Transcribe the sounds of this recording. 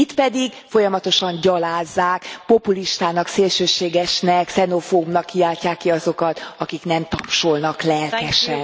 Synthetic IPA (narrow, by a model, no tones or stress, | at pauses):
it̪pɛd̪iɡfo̞jɒmɒt̪o̞ʃɒɲɟɒlaːzːaːkpo̞puliʃt̪aːnɒkseːlʃøːʃeːɡɛʃnɛksɛnofoːubnɒkːiaːcːaːkːiɒzo̞kɒt̪ɒkiknɛmt̪ɒpʃolnɒklɛlk̪ɛʃɛn